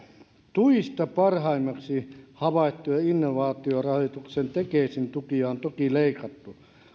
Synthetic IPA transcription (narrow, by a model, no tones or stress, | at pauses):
t̪uist̪ɑpɑrhɑimːɑksihɑʋɑˑit̪ːujɑinːoʋɑːt̪iorɑhot̪uksent̪ekeisint̪ukiɑont̪okileikɑt̪ːu